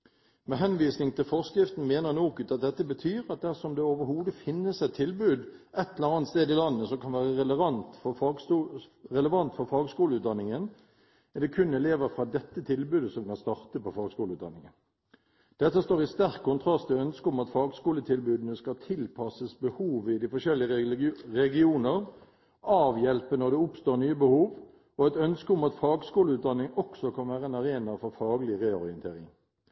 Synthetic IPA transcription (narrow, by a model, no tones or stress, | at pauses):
mɛɦɛnʋiːsnɪŋt̪ʰɪlfɔʁskɾɪft̪n̩meːnəʁnoːkʉt̪ɑt̪̚d̪ɛt̪ːəbət̪ʰyːʁɑt̪̚d̪æʁsɔmd̪ɛoːʋəɾhuːd̪əfɪnːəsɛt̪ʰːɪlbʉːd̪ | ʔɛt̪ːɛləʁɑːnt̪st̪eːd̪ɪlɑnːəsɔmkʰɑnʋæːʁəʁɛləʋɑnt̪fɔ | ʁɛləʋɑnt̪fɔʁfɑːɡskuːləʉːt̪̚d̪ɑnːɪŋən | ɛʁd̪ɛkʰʉnɛleːʋəɾfʁɑːd̪ɛt̪ːət̪ʰɪlbʉːd̪əsɔmkɑnst̪ɑʁt̪əpɔfɑːɡskuːlʉːt̪d̪ɑ̰nːɪŋən | d̪̥ɛt̪ːəst̪oːʁɪst̪æʁkʰːʊnt̪ʰʁɑst̪ɛœnskəʊmɑt̪fɑːɡskuːlət̪ʰɪlbʉːd̪ənəskɑt̪ʰɪlpʰɑsəsbəhuːʋɪd̪ɪfɔʂɛlːɪəʁɛɡɪuːnəʁ | ɑːʋjɛlpənɔd̪ɛʊpst̪oːʁnyːəbəhuːʋ | ɔɛt̪œnskəʊmɑt̪fɑːɡskuːləʉːt̪d̪ɑnːɪŋɔksɔkʰɑnʋæːʁəeːnɑʁeːnɑfɔʁfɑːɡəlɪʁeːɔʁɪənt̪ʰeːʁɪŋ